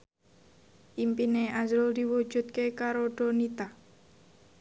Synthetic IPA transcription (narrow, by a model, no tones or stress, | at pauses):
ʔimpineazɾʊld̪iwu̥d͡ʒ̥ṳt̪̚kekaɾoɖ̥o̤nit̪a